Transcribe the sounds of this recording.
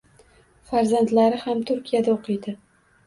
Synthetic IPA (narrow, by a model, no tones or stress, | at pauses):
faɾzant̪laɾɪhamt̪ʰʊɾkʲʰijad̪aoqʰɨjd̪ɪ